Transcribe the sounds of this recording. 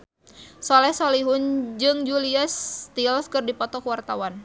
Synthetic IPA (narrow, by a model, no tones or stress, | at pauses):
sɔlɛhsɔliɦund͡ʒɨŋd͡ʒuliast̪ilskɨrdipɔt̪ɔkwart̪awan